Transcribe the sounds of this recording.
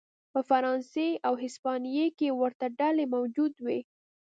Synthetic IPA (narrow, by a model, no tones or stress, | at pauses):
pəfaɾɑnseawɦɪspɑnijekewəɾt̪aɖalemawd͡ʒud̪we